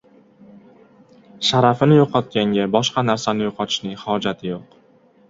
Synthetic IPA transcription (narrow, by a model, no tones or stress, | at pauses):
ʃaɾafɪnɪjoqʰɒt̪̚kʲaŋɡʲabɒʃqɑnaɾsanɪjoqʰɒt̪ʰɪ̥ʃnɪŋhɒd͡ʒat̪ʰɪjoq